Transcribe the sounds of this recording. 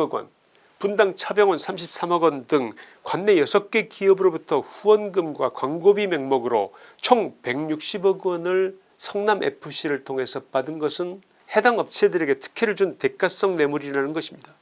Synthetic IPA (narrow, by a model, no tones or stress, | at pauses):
ʌɡwʌ̰n | pundaŋt͡ɕʰabjʌŋwʌnsʰamɕʰip̚s͈amʌɡwʌndɯŋkwanːe̞jʌsʰʌk̚k͈e̞kiʌbɯɾobutʰʌɸuwʌnɡɯmɡwakwaŋɡobime̞ŋmʌɡɯɾo̰t͡ɕʰoŋpe̞ŋɲuk̚ɕ͈ibʌɡʌnɯɭ | sʰʌŋnamʔe̞̰pʰɯɕ͈iɾɯɭtʰoŋɦe̞sʰʌpadɯnɡʌsʰɯn | he̞daŋʌp̚t͡ɕʰe̞dɯɾe̞ɡe̞tʰɯ̥kʰeɾɯɭd͡ʑunte̞k͈as͈ʌŋne̞muɾinanɯnɡʌɕʰimɲida